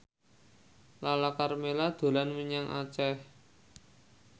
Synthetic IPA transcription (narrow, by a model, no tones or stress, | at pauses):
lalakarmelad̪̥o̤lanmiɲaŋʔa̰t͡ʃɛh